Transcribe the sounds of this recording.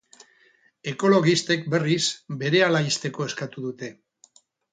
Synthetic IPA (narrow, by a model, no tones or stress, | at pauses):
e̞ko̞lo̞ɣist̪e̞k̚be̞risbe̞ɾe̞alaist̪e̞ko̞e̞skat̪uðut̪e̞